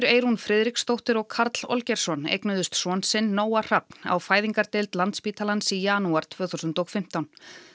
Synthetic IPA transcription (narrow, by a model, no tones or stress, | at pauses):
ɾeːjɾunfɾɪːðɾikst̪owht̪ɪɾɔɣkʰaɾt̪l̥ɔ̰lcɛɾ̥sɔnḛjknʏðʏst̪sɔnsɪnːoːwar̥ap̚n̥a̰wfaːjðiŋkaɾt̪elt̪lant̪spiːt̪ʰalansijaːnuaɾ̥t̪ʰvœːθusʏnt̪ɔɣfɪm̥t̪awn